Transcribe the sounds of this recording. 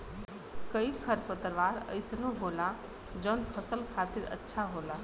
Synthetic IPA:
kəikʰəɾpət̪ɾʋaːɾə̰ɪsnõɦoːla | d͡ʒɔːnpʰəsəlkʰaːt̪ɪɾə̰tːʃʰaɦoːlaː

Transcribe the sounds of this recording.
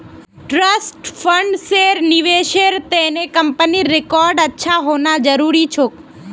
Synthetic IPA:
ʈɾəsʈfəɳɖseɾniʋeʃeɾt̪enekəmpəniɾekɔɾɖətːʃʰaɦonad͡ʒəɾuɾit͡ʃʰok

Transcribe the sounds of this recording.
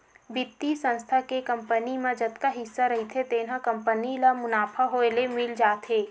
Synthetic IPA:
bɪt̪ːisə̃nst̪ʰakekɐ̃mpənimẽd͡ʒɐt̪kaɦɪsːaɾɐɦit̪ʰet̪eːnakɐ̃mpənilamʊnaːpʰaɦoelemɪld͡ʒaːt̪ɦeː

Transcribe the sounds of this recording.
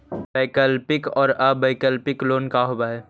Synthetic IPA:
baɪkəlpɪkɔːɾabaɪkəlpɪkloːnkaɦoːbaɦɛː

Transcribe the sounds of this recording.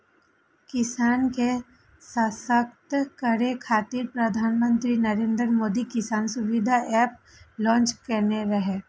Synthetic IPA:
kɪsaːnke | səsək̚t̪kɐɾekʰaːt̪iɾpɾɐd̪ʱaːnmə̃nt̪ɾinɐɾẽːnd̪ɾmoːd̪ikɪsaːnsʊʋɪd̪ʱaʔɛːp | lɔ̃ːnt͡ʃkɐneɾɐɦeː

